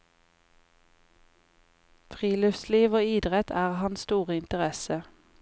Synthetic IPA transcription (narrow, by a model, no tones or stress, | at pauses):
fʁiːlʏfsliːʋoːiːd̪ʁɛt̪ʰæːʁhɑnst̪uːʁəɪnt̪əʁɛsə